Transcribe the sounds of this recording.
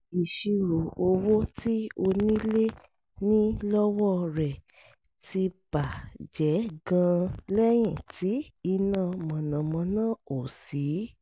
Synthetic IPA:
i˨ʃi˧ɾo˨o˧wo˦ti˦o˧nĩ˦le˦ | nĩ˦lɔ˦wɔ˦ɾɛ˨ | ti˧b̥a˨d͡ʒɛ˨˦ɡã˧lɛ˦j̃ĩ˦˨ti˨˦i˧nã˦˧˨mɔ̃˨nã˨mɔ̃˧nãː˦˨o˨si˨˦

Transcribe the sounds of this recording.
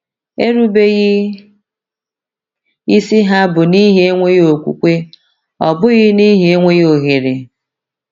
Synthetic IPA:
e˦ɾu˦be˦ɣɪ˦ | i˦si˦ɦa˦bʊ˨ni˦ɦe˦ŋʷe˦jo˨kʷṵ˨kʷe˦ | ɔ˨bʊ˦ɣɪ˦ni˦ɦe˦e˦ŋʷe˦jo˨ɦi˨ɾɪ˨

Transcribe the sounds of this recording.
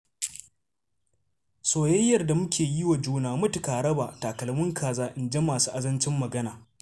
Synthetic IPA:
soː˨jɐ˦jːɐ˨rda˨mʊ˦kʲeː˨ji˦wa˨d͡ʒuː˦naː˨mʊ˦tʊ˨kaː˨ɽɐ˦baː˨taː˨kɐ˨lmʊ˦ŋkʰaː˨zaː˦ʔɪ˨nd͡ʒe˦maː˨su̥ː˦ʔa˨zɐ˦nt͡ʃɪ˦mːɐ˨ɡɐ˦naː˨

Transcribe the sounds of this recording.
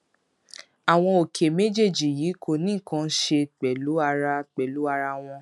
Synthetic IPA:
a˨w̃ɔ̃˧o˨kʰe˨me˦d͡ʒe˦˨d͡ʒi˨jiː˨˦kʰo˧˨nĩ˦˨kã˦˧˦ʃe˧k͡pɛ˨lu˨˦a˧ɾa˧k͡pɛ˨lu˨˦a˧ɾa˧w̃ɔ̃˧

